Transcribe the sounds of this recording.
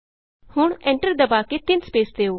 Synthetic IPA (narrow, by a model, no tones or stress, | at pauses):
hʊɳɛ̃ɳʈəɾd̪əbaːket̪ɪnspeːsd̪eːoː